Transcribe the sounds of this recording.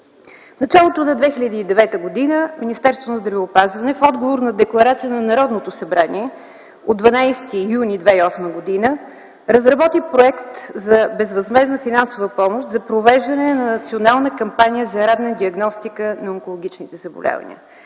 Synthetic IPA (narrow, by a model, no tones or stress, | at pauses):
fnɐt͡ʃalˠot̪onɐd̪vɛxilʲəd̪iːd̪ɛvɛt̪əɡod̪inəminist̪ɛɾst̪vonɐzd̪ɾɐvɛopazvɐnɛfɔd̪ɡovoɾnɐd̪ɛklˠɐɾat̪sijənɐnɐɾɔd̪not̪osɐbɾaniɛ | od̪ːvɐnajst̪ijunid̪vɛiɔsməɡod̪inə | ɾɐzɾɐbɔt̪ipɾoɛkt̪zɐbɛzvɐzmɛznəfinansʊvəpɔmoʃt̪zɐpɾovɛʒd̪ɐnɛnɐnɐt̪sionalˠnəkɐmpanijəzɐɾad̪nɛd̪iɐɡnɔst̪ikənɐoŋkolˠoɡ̟ʲit͡ʃnit̪ɛzɐbo̰lʲa̰və̰nḭə̰